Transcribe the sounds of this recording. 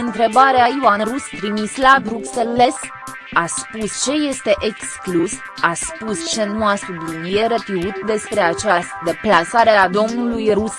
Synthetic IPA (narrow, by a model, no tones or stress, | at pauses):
ɨnt̪ɾe̞baɾeaioanrust̪ɾimislabɾuksele̞s | aspust͡ʃe̞je̞st̪e̞ʔeksklus | aspust͡ʃe̞nuasublinijeɾet̪ɾiut̪d̪e̞spɾe̞at͡ʃast̪d̪e̞plasaɾead̪o̞mnulujrus